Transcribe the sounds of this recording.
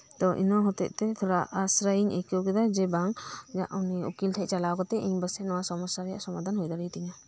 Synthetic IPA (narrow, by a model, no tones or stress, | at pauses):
t̪ɔʔḭnɔɦɔt̪ɛ̰ʔ̚t̪ɛt̪ʰɔɾa̰ʔasɾaiɲɛkɔkɛd̪ad͡ʒɛbaŋd͡ʒaʔuniukilt̪ʰɛʔ̚t͡ʃalawkɔt̪ɛʔiɲbəsɛʔnɔwasɔmɔsaɾja̰ʔsɔmad̪ʱanɦujd̪aɾit̪iɲa